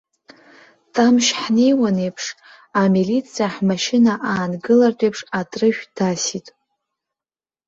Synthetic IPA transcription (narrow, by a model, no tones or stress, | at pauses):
tʰʼamʃħne̞jwanejpʰʂ | amilit͡sʰijaħmaʃɪnaʔaːnɡɨlartʷʼejpʰʂatʼrɨʃᶣd̥asitʼ